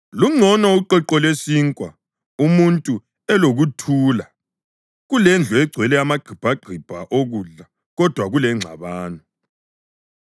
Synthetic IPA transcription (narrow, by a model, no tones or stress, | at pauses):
luŋ͡ǀʱɔnɔuǃɛǃɔlesiŋkʼwa̰ | umuntʼu | ɛloɣutʰuːla | ɣulɛnd͡ɮʱuɛɡ͡ǀʱwɛlɛamaɡ͡ǃʱib̥ʱaɡ͡ǃʱib̥ʱaʔoɣuɮa | ɣɔd̥ʱwaɣulɛŋ͡ǀʱaβaːnɔ